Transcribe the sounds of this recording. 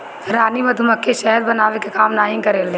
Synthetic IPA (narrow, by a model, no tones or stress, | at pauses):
ɾaːnimɐd̪ʱʊmɐkʰːeʃɛɦəɾbɐnaːʋekekaːmnaːjɪ̃ŋkɐɾeːleː